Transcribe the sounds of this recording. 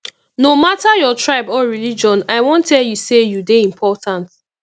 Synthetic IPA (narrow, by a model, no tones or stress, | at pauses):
nomatajɔtɹaɪbɔɹilid͡ʒɔ̃naɪwɔ̃ntʰːɛljusejudeĩmpʰɔtãnt